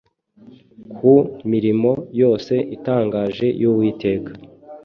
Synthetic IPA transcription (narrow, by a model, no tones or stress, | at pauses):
kʰumiɾimo̞jo̞ːse̞ʔitaːŋɡaːʒe̞juwiːte̞ːkḁ